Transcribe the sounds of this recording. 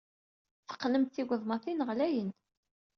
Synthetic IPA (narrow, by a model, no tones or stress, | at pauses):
θə̥qːləmt̪θiɡʷəðˤmɑθinʁlæjən